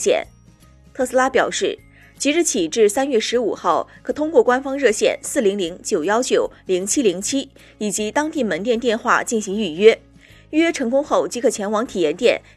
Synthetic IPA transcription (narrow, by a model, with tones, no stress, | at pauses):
ɕjɛ̰˨˩˦n | t̪ʰɤ˥˩sɹ̩˥la˥pjɑ˨˩ʊʂɻ̩˥˩ | t͡ɕʰi˧˥ɻ̩˥˩t͡ɕʰi˨˩ʈ͡ʂɻ̩˥˩sa˥nɥɛ˥˩ʂɻ̩˧˥u˨˩xɑ˥˩ʊkʰɤ˨˩t̪ʰʊ˥ŋkwɔ˥˩kwa˥nfɑ˥ŋɻɤ˥˧ɕjɛ̰˥˩nsɹ̩˥˩li˧˥ŋli˧˥ŋt͡ɕjo˨˩ʊjɑ˥ʊt͡ɕjo˨˩˦ʊli˧˥ŋt͡ɕʰi˥li˧˥ŋt͡ɕʰi˥ | i˨˩t͡ɕi˧˥t̪ɑ˥ŋt̪i˥˩mə˧˥nt̪jɛ˥˧nt̪jɛ˥˧nxwa̰˥˧t͡ɕi˥˩nɕi˧˥ŋy˥˩ɥɛ˥ | y˥˩ɥɛ˥ʈ͡ʂʰɤ˧˥ŋkʊ˥ŋxo˥˩ʊt͡ɕi˧˥kʰɤ˥˩t͡ɕʰjɛ˧˥nwɑ˧˥ŋt̪ʰi˨˩jɛ˧˥nt̪jɛ̰˥˩n